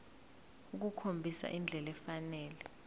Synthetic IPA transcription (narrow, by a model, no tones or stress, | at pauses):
uk̬ukʰombʱisa̰ʔind͡ɮʱɛlɛfanɛːlɛ